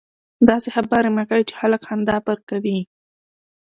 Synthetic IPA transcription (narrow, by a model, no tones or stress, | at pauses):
d̪ɑsehabaɾemakawit͡ʃe̥xaləkhamd̪ɑpaɾkawi